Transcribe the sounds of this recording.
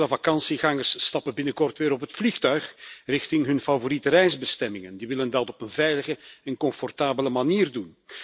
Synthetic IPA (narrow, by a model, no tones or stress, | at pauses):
ləvakɑnsiɣɑŋərsːtɑpəbɪnəkɔrtʋɪːɾɔpɦətflixtœɥxrɪxtɪŋɦɵnfavoɾitərɛjzbəstɛmɪŋəndiʋɪləndɑtɔpənvɛjləɣəɛnkɔɱfɔrtaːbələmaniːrdun